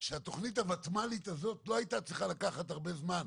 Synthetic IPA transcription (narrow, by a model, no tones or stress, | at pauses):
ʃeat̪o̞χnithavat̪malitazo̞t̪lo̞ajitat͡sʁiχalakaχathaʁbe̞zman